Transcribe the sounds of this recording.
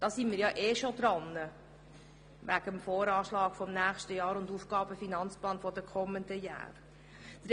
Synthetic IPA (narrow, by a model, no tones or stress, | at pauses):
d̥ɑːsimiːɾjɑʔeːʃod̥̪ɾɑnːə | ʋæɡ̥əmfoːɾɑːʃlɑːkfɔmnæːχʃtəjɑːɾʊnduːfɡ̥ɑːb̥əfinɑnt͡splɑːnfɔdəkʰɔmːəndəjɑ̰ːɾ | d̥̪ɾ